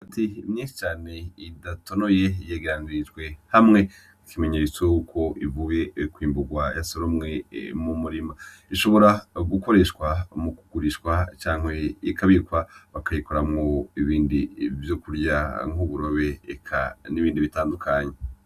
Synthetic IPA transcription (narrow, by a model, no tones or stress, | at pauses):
atʰiːmɲiːnʃi̥t͡ʃaːne̞idato̞no̞je̞jeɡeɾaniɾid͡ʒɡwe̞hamŋe̞ | ikime̞ɲeɾit͡sohukʰo̞ʔivuje̞kwiːmbuɡwajasoɾomŋe̞mumuɾima | iʃo̞βo̞ɾaɡuko̞ɾe̞ʃwamukuɡ̥uɾiʃwat͡ʃaːŋ̥e̞ikʰaβiɾkwaβakajiko̞ɾamŋo̞iβiːndivjokuɾja̰ŋ̥uβuɾo̞βe̞ːkʰa̰niβiːndiβitaːndukʰaɲe